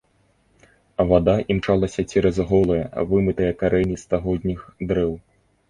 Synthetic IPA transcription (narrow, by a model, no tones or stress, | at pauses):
ɐvad̪aʔimt͡ʂalˠasʲɐt͡sʲɛɾɐzɦɔlˠɐjɐvɨmɨt̪ɐjɐkaɾɛnʲist̪aɣɔd̪ʲnʲixd̪ɾɛw